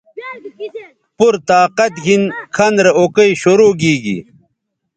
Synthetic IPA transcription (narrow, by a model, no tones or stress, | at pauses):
puɾt̪aːqɐt̪ɡinkʰɐnɾeokɐjɕoɾoːɡiːɡḭ